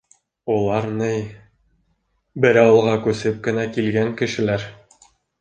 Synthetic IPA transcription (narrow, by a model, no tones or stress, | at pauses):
ulˠɑɾnɘj | bɘ̆ɾæwɤ̆lˠʁɑkʉsɘp̚kɘ̆nækilɡæŋkɘ̆ʃɘ̆læɾ